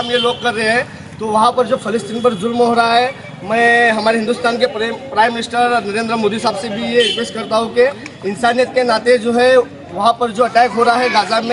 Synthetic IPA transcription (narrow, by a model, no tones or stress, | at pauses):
ɐmjeloːɡ̚kɐɾːəɦeɦɛ̃ | t̪oʋɐɦãpɐɾd͡ʒoːpʰɪlɪsʈiːnp̬ɐɾd͡ʒʊlmɦoɾaɦɛ | mɛ̃ːɦɐmaːɾeɦɪ̃nd̪ʊst̪aːnkepɾaːɪmːɪnɪsʈəɾɔːnɐɾẽːnd̪ɾəmoːd̪iɦɪsaːbsebʱijekeːskɐɾt̪aɦũkeɪnsaːnijət̪̚kenaːt̪ed͡ʒoːɦɛ | ʋɐɦãpɐɾd͡ʒoːɐʈɛːkɦoːɾaɦaɦɛɡaːd͡ʒamẽ